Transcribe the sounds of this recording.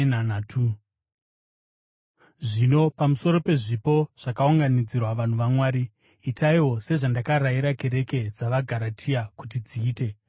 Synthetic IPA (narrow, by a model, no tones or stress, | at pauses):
nanatʰu | ʐino̞pamuso̞ɾo̞pe̞ʐipo̞ʐ̥akauŋɡanid͡zirwaʋan̤uʋamwaːɾiː | taiwo̞se̞ʐandakaɾaiɾake̞ɾe̞ke̞d͡zaʋaɡʱaɾatʰijakutid͡ziːte̞